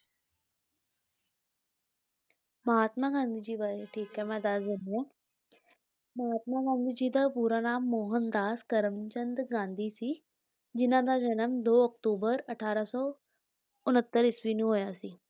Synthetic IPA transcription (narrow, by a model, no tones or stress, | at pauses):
məɦaːt̪maɡãnd̪ʱid͡ʑiːbaɾeʈʰiːkɛ̃mɛ̃d̪aːsdene | məɦaːt̪̚maɡãnd̪ʱid͡ʑiːd̪apuːɾanaːmːoːɦənd̪aːskəɾəmt͡ɕənd̪ɡãnd̪ʱisiː | d͡ʑinãd̪ad͡ʑənəmd̪oəkʈoːbəɾəʈʰaːɾasɔ | ʊnɦət̪ːəɾisʋiniɦojasi